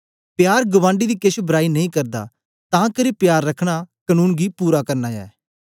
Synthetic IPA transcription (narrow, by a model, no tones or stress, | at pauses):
pjaːɾɡʊʋãːɳɖid̪iːkɪʃbəɾaːinɐĩkɐɾd̪a̰ː | t̪ãːkəɾipjaːɾːɐkʰɽ̃akənũːnɡiːpuːɾakɐɾnaːja̰ː